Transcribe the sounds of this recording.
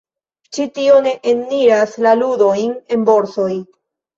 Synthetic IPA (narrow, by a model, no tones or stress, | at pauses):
t͡ʃitio̞ne̞ʔenːiɾaslaludo̞jne̞nbo̞ɾso̞j